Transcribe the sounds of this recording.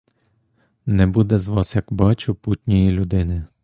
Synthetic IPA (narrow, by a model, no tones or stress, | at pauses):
nɛbud̪ɛzʋɑsjɐkbɑt͡ʃʊputʲnʲijilʲʊd̪ɪnɪ